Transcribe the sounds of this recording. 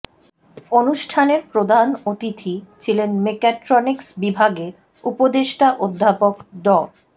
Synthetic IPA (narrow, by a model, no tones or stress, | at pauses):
onuʃʈʰaneɾpɾod̪anot̪it̪ʰit͡ɕʰilenmekaʈɾoniksbibʱaɡe | upod̪eʃʈaʔod̪ʱːapokɖ̪ɔl